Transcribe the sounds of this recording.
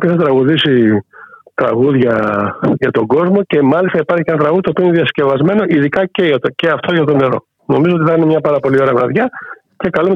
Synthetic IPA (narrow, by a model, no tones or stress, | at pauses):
peθɐt̪ɾɐɣuðisi | t̪ɾɐ̰ɣuðʝɐʝɐt̪o̞ɡo̞zmo̞ce̞mɐlist̪ɐipɐɾçi̥cenɐt̪ɾɐɣuðit̪opioineðiɐsce̞vɐzme̞noʔiðikɐceɐceɐft̪oʝɐt̪o̞ne̞ɾo̞̰ | no̞̰mizoot̪iθɐinemɲɐpɐɾɐpo̞lio̞ɾɐvɾɐðʝɐ | ce̞kɐlume